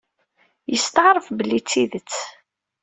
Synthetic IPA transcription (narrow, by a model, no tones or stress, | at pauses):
jəst̪ʕɾˤəfbəlːit͡sːiðət͡sː